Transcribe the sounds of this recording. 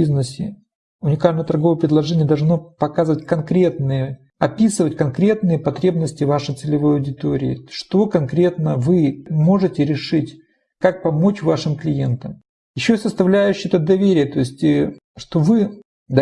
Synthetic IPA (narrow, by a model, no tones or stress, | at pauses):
iznəsʲɪ̰ | ʊnʲɪkalʲnəjət̪ɐrɡo̞vəjpɾʲɪd̪lˠɐʐɛnʲɪjəd̪ɐlˠʐnopɐkazɨvətʲkɐnkɾʲe̞t̪nɨjə | ɐpʲisɨvətʲkɐnkɾʲe̞t̪nɨjəpɐt̪ɾʲe̞bnəsʲtʲɪvaʂəɨjt̪sɨlʲɪvo̞jɐwdʲɪt̪o̞ɾʲɪ̰ɪ̰ʂt̪o̞kɐnkɾʲe̞t̪nəvɨmo̞ʐɨtʲɪɾʲɪʂɨtʲ | kak̚pɐmo̞t͡ɕvaʂɨmklʲɪje̞nt̪əm | jɪɕːosəst̪ɐvlʲæjʉɕːɪɛt̪əd̪ɐvʲeɾʲɪjət̪o̞ɪsʲtʲ | ʂt̪o̞vɨ | d̪